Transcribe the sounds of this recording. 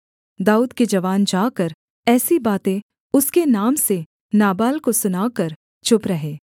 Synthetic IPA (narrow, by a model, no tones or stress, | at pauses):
d̪aːuːd̪ked͡ʒɐʋaːnd͡ʒaːkəɾ | ɛːsibaːt̪ẽ | ʊskenaːmse | naːbaːlkosʊnaːkəɾ | t͡ʃʰʊpɾɐɦeː